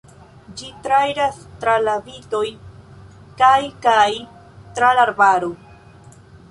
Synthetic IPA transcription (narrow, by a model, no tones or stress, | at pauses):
d͡ʒit̪ɾajɾast̪ɾalabit̪oj | kajkaj | t̪ɾalaɾbaɾu